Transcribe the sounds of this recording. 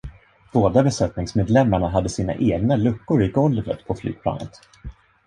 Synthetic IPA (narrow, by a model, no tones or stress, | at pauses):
b̥oːd̪abɛsɛt̪nɪŋsmeːd̪lɛmːaɳaɦad̪ːəsiːna̰ʔeːɡnalɵkːʊɾɪɡɔlvə̰t̪pʰɔfly̰ːɡ̚pʰlɑ̰ːnə̰t̪